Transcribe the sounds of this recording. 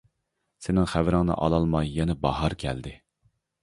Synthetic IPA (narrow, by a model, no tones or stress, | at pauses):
sɪnɪŋχævɾɪŋnɨ̰ʔɑ̰lˠɑlˠmɑjːɛnɛbɑɦɑɾkʲʰɛ̰ld̪ɪ